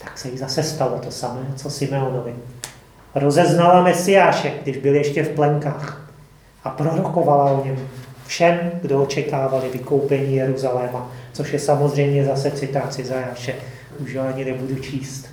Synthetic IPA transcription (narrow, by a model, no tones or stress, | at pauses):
t̪ḁksɛjɪzasɛst̪alot̪osamɛːt͡sosɪmɛonovɪ | ɾo̞zɛznalamɛsɪjaːʃɛɡdɪʒbɪljɛʃcɛfplɛŋkaːx | ʔapɾo̞ɾoko̞valaoɲɛmufʃɛmɡdoot͡ʃɛkaːvalɪvɪko̞wpɛɲiːjɛɾuzalɛːmat͡soʃjɛsamo̞zr̝ɛjmɲɛzasɛt͡sɪt̪at̪sɪzajaːʃɛ | uʃjoaɲɪnɛbudut͡ʃʰiːst̪